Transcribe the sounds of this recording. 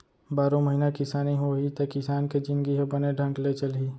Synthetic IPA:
baːɾõməɦinakɪsaːniɦoɦit̪ɐkɪsaːnked͡ʒɪ̃nd̪ɡiɦɛbəneɖʱə̃ŋklet͡ʃəlɦiː

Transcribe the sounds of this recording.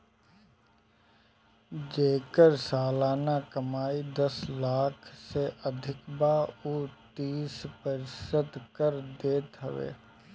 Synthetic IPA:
d͡ʒeːkəɾsaːlaːnakəmaːid̪əslaːkʰseʔəd̪ʱɪkbaːuːt̪iːspəɾɪsəd̪kəɾd̪eːt̪ɦəʋḛː

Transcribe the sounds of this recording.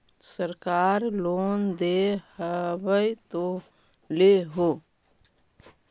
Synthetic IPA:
səɾkaːɾloːnd̪ehəbəjt̪o | leɦo

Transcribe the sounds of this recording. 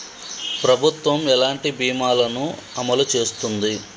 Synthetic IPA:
pɾɐbʱut̪ʋɐmɛlaːɳʈibiːmaːlɐnuɐmɐlut͡ʃe̞ːst̪und̪i

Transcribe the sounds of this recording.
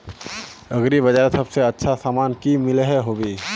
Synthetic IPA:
əɡɾibəd͡ʒaɾsəbseətːʃʰasamankimɪlɦeɦobi

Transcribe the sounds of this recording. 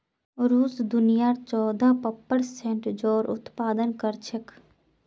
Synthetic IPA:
ɾuːsd̪ʊnijaɾt͡ʃɔːd̪ʱapəpːəɽsẽɳʈd͡ʒoːɾʊ̰t̪paːd̪ənkəɾt͡ʃʰek

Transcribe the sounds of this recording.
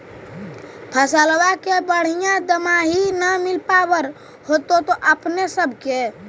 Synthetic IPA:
pʰəsəlwakebəɽ̤ijãd̪əmaɦinəmɪlpabəɾ | hot̪ot̪oʔəpnesəbʱke

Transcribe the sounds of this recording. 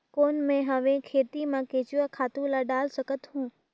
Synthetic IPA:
koːnmẽɦɐʋẽkʰeːt̪imãkeːt͡ɕʊʋakʰaːt̪ũlaɗaːlsɐkət̪ɦũː

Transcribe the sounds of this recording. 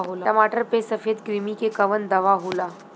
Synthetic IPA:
ɦoljamaʈəɾpesəfed̪kɾimikekəʋənd̪əʋaɦola

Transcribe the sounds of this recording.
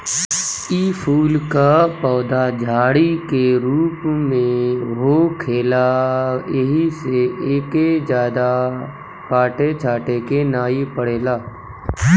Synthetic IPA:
iːpʰuːlkapɔːd̪ad͡ʒʱaːɽikeɾuːpmẽɦokʰeːla | eɦiseeːked͡ʒjaːd̪a | paːʈet͡ʃʰaːʈekenaːipəɽeːlaː

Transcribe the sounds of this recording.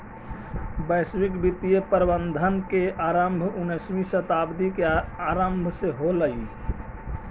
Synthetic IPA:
bəjswikbit̪ijepəɾbənd̪ʱənkeʔaɾəmbʱunəsmisət̪abd̪ikeaɾəmbʱseɦoləi

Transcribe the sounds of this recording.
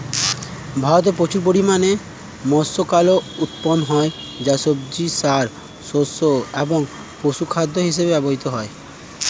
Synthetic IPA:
bʱaɾɔt̪̬epɾot͡ʃuɾp̬oɽimane | mɔsokalɔut̪pɔnɦɔe | d͡ʒasob̚d͡ʒisaɾ | sosoebɔŋ | posukʰad̪ʱːɔɦisebebabɔɦit̪ɔɦɔe

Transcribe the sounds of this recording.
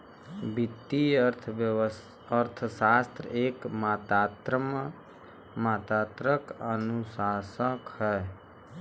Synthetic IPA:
bɪt̪ːiəɾt̪ʰ | əɾt̪ʰəsaːst̪ɾeːkmat̪at̪ɾəm | maːt̪aːt̪ɾəkənusaːsəkhɛː

